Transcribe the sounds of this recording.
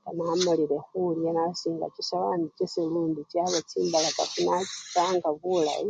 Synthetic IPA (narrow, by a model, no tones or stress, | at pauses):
kanaːmuliɾexulijanasiːŋɡa̰t͡ʃisaβanit͡ʃiselundit͡ʃaβet͡sʰimbalaka̰funat͡ʃi̥t͡saŋɡaβula̰